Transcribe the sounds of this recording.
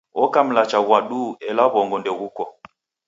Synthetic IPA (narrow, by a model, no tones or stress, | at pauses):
ɔkam̩lat͡ʃaɣwaɗuɛlaβɔŋɡɔndɛɣukɔ